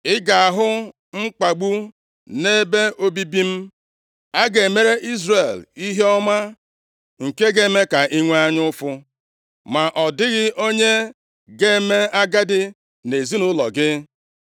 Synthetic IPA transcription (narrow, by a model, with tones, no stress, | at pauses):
ɪ˦ɡa˨a˨ɦʊ˦ | ŋ͡m̩˦k͡pa˨ɡ͡bu˦ | ne˦be˦o˦bi˦bi˦m̩˦ | a˦ɡe˨me˦ɾe˦ʔi˦zre˨li˦ɦe˦ɔ˦ma˦ | ŋ̩˨ke˦ɡe˨˦me˦ka˨ʔi˦ŋʷe˦a˦ɲ˦ʊ˦fʊ˦ | ma˨ʔɔ˨dɪ˦ɣɪ˦ʔo˦ɲe˦ | ɡe˦me˦a˦ɡa˦dɪ˦ | ne˨zi˦nʊ˦lɔ̰˨ɡɪ˦